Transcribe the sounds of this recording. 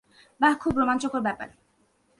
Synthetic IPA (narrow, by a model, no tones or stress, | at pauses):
bakʰubɾomant͡ɕokoɾbɛpa̰ɾ